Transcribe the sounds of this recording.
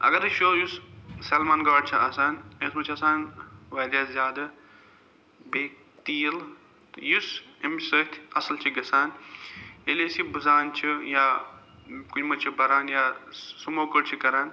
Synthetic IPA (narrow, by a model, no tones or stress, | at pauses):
ɐ̰ɡɐɾɨʃoːjusseːlmaːnɡaːɖt͡ʃʰiasaːnesmɐt͡ʃʰɐsaːnʋɐːd̪ʲjaːzʲjaːd̪ɐ | beːk | t̪iːl | jusemsɐt̪ʲʰɐslt͡ʃʰiɡɐsaːn | elesibuzaːnt͡ʃʰijaː | kut͡ʃmɐt͡ʃʰibɐɾaːnjaːsumoːkəɽt͡ʃʰikɐɾaːn